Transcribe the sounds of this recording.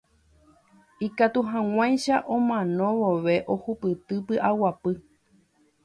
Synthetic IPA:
ikat̪uɦãw̃ãj̃ʃaʔõmãnõ̞ʋoʋe̞ʔohupɨt̪ɨpɨʔawapɨ

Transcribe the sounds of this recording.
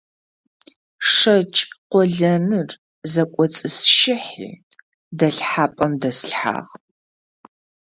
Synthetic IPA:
ʂɐt͡ʃʼqʷɔɮɐnɨr | zɐkʷʼɔt͡sʼɨsʃɪħḭː | dɐɬħaːpʼɐmdɐsɬħa̰ːʁ

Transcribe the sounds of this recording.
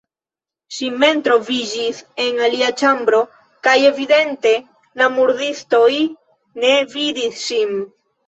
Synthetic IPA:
ʃime̞ntɾo̞vid͡ʒise̞naliat͡ʃambɾo̞ | kaje̞vide̞nte̞ | lamuɾdisto̞j | ne̞vidisʃin

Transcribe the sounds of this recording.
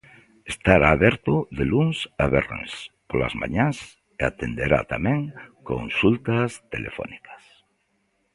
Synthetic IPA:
est̪aɾaːβeɾt̪oðeluŋsaβernḛspola̰zmã̰ɲas | eat̪end̪eɾa̰t̪amẽŋko̰nsult̪ast̪elʔefɔ̰nikḁs

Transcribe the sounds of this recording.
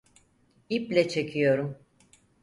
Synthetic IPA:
iplʲɛt͡ʃʰe̞cʰijo̞ɾum

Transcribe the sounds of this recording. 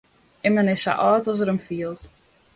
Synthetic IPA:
ɪmənɪsa̰ʔɔːtɔs̬əɾəmfiəlˠt

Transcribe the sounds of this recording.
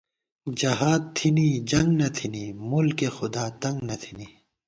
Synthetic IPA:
d͡ʑɐɦaːd̪̚t̪ʰinid͡ʑɐŋɡnɐt̪ʰinimulkexʊd̪aːt̪ɐ̃ŋɡnɐt̪ʰini

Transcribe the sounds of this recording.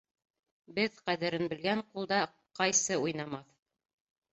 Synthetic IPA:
bɘðqæðɘ̆ɾɘnbɘ̆lɡæɴqulˠd̪ɑ | qɑjsɤujnɑmɑθ

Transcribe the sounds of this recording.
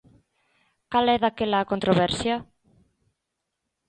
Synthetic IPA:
kalɛðakelakont̪ɾoβɛɾsja

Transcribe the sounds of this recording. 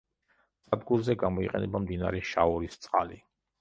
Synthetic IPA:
sʼad̪̚ɡuɾzɛɡamɔiqʼɛnɛbamd̪inaɾɛʃauɾist̪sʼqʼa̰li

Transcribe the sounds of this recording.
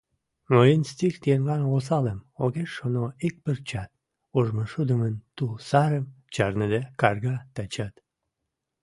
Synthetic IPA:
mojinst̪ixt̪enlɑnos̬ɑləmoɣeʃonoik̚pərt͡ɕɑt̪̚ | oʒməʃud̪ə̆mənt̪ulsɑɾəm | t͡ɕɑrnəd̪ekɑrɣɑt̪ɑt͡ɕɑt̪

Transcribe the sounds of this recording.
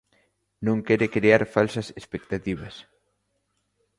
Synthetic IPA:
nõŋkɛɾekɾeaɾfalsɐsespekt̪at̪iβ̞ɐs

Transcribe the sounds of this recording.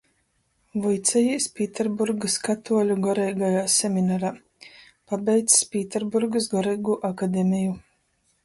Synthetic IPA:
vɔjt̪sɛjispʲiːt̪ʲɛɾbuɾɡaskat̪uɔlʲuɡɔɾɛjɡajaːsʲɛmʲinaɾaː | pabʲɛjt̪sspʲiːt̪ɛɾbuɾɡasɡɔɾɛjɡuʔakad̪ʲemʲiju

